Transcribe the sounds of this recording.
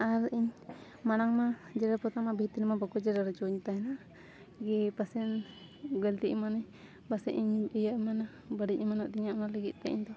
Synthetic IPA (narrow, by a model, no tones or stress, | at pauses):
aɾʔiɲ | manaŋmad͡ʒɛɾapɔt̪amabʱit̪inmabakɔd͡ʒɛɾaɾɛd͡ʒɔɲt̪ahɛna | ɡɛpasɛn | ɡəlt̪iʔmanəɲ | basɛʔiɲijaʔmana | bəɽic̚imanaʔt̪iɲaʔnaləɡit̪̚ˀt̪ɛiɲd̪ɔ